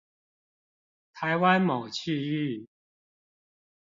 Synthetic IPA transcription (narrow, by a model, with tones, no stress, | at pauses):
t̪ʰa˨˦ɪwa˦nmo˨˩ʊt͡ɕʰi˥˧y˥˨